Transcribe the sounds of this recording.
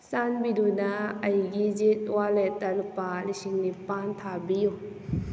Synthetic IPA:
sanbidunaajɡid͡ʒit̪̚walɛt̪alupaːlisiŋnipaːnt̪ʰaːbiw

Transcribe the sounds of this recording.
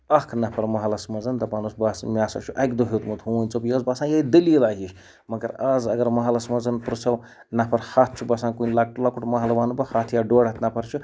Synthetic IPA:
ɐkʰnɐpʰɐɾmɐɦɐlɐsmɐzɐnt̪ɐpanusbasmʲjaːsɐ̰t͡ʃʰuʔɐkd̪uɦʲit̪mut̪ɦunʲt͡sobjɐzbasãːjɐid̪əlilaɦiʃ | mɐkɐɾazɐɡɐɾmɐɦalɐsmɐzɐnpɾɨsɐw | nɐpʰɐɾhat̪̚ʰt͡ʃʰubɐsãːnkunʲlak̚ʈulakuʈmɐɦɐlɐʋaːnubɐhat̪ʰjaɖoɽɐt̪nɐpʰɐɾt͡ʃʰu

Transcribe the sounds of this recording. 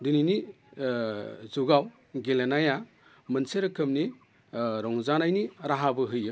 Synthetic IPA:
dɯnini | zuɡaw | ɡelenaja | mɐnseɾɐkʰɯmni | ɾɔŋzanajniɾaɦabɯɦɯjɯ

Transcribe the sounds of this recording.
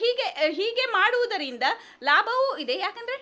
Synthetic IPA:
ɦiːɡe̞ɦiːɡe̞maːɽuʋud̪ɐɾind̪ɐ | laːbʱɐʋuid̪e̞jaːkɐnd̪ɾe̞

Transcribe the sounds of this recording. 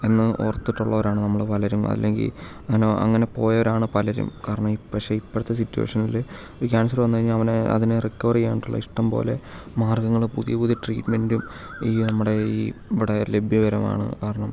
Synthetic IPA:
enːɨʔorɐt̪ːiʈːuɭːɐoɾaːɳɨnɐmːɐɭpɐlɐɾṵɐ̰lːeŋɡḭl | ɐnoʔɐ̰ŋːɐne̞po̞ːjɐoɾaːɳɨpɐlɐɾṵmkaːɾɐɳɐmipːɐkʂe̞ːipːoɾt̪ːes̬itːuḛʂɐnil | oɾukaːns̬ɐrʋɐnːkɐɾiɲːaɐʋɐneɐ̰ðinɨrikːɐʋriɣeːɳiʈːuɭːɐ̰iʂʈɐmpo̞̰ːle̞maːrɡɐŋːɐɭpuðijɐpuðijɐʈriːʈme̞ndum | iːnɐmːuɽe̞iːʋiɽɐle̞bʱjɐʋɐɾɐma̰ːɳɨ̰kaːɾɐɳɐm

